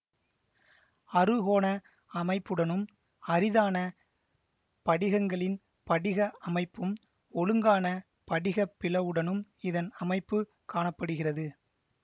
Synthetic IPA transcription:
ɐrɯɣoːnɐ | ɐmɐɪpːɯɽɐnɯm | ɐrɪðaːnɐ | pɐɽɪɣɐŋɡɐɭɪn | pɐɽɪɣɐʔɐmɐɪpːɯm | ɔɭɯŋɡaːnɐ | pɐɽɪɣɐpːɪlɐʋɯɽɐnɯmɪðɐnɐmɐɪpːɯ | kaːɳɐpːɐɽɯɣɪrɐðɯ

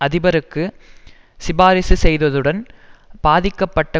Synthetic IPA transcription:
ɐðɪbɐɾɯkːɯ | sɪbaːɾɪsɯsɛjðɐðɯɽɐnb̥aːðɪkːɐpːɐʈːɐ

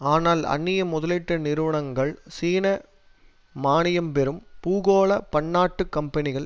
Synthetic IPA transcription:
aːnaːlɐ̰nːɪjɐmʊðɐlɪʈːɐnɪɾɯʋɐɳɐŋɡɐɭsiːnɐ | maːɳɪjɐmpɛɾɯmpuːɣoːɭɐpɐɳːaːʈːɯkːɐmpɐnɪɣɐɭ

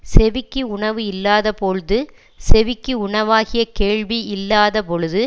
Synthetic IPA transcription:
sɛʋɪkːɯʊɳɐʋɯɪlːaːðɐpɔɻɯðɯ | sɛʋɪkːɯʊɳɐʋaːɣɪjɐkeːɻʋiɪlːaːðɐpɔɻɯðɯ

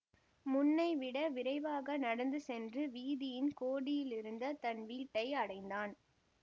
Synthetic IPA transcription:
mʊnːɐɪʋɪɽɐʋɪɾɐɪʋaːɣɐnɐɽɐnd̪ɯsɛndrɯʋiːðɪjɪnkoːɽɪjɪlɪɾɯnd̪ɐt̪ɐnʋiːʈːɐɪɐɽɐɪnd̪aːn

